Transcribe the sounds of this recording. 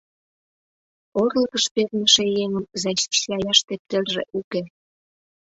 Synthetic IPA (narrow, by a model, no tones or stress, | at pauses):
orləkəʃpernʲə̆ʃĕjeŋəmzɑɕi̥ʃɑjɑʃt̪ep̚t̪elʒḛʔuke